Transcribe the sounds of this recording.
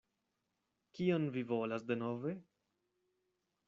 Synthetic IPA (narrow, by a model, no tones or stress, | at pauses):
kionvivo̞lasde̞nove̞